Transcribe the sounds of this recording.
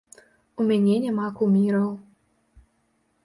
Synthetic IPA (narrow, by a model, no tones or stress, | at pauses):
umʲanʲɛnʲamakumʲiɾɐw